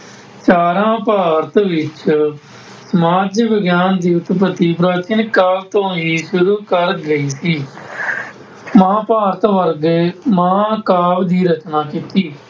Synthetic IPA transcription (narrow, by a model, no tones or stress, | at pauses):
t͡ʃaːɾãːpaːɾət̪ʋɪt͡ʃ | səmaːd͡ʒʋɪɡjaːnd̪iːʊt̪p̬ət̪iːpɾaːt͡ʃɪnkaːlt̪õːɦiːʃʊɾuːkəɾɡəiːsiː | mãːpaːɾət̪ʋəɾɡmãːkaːʋd̪iːɾət͡ʃnaːkit̪iː